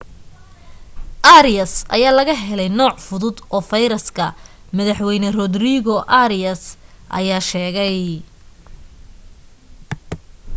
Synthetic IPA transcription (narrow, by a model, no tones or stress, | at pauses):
ʔaɾɪjɐsɐ̰jaːlɐɣɐɦɛlɛjnɔːʕfʊðʊd̪ɔːfɐjɾɐskʰɐ | mɐðɐħwɛjnɐrɔd̪riɣɔʔɐɾɪɐsʔɐ̰jaːʃɛːɣɛj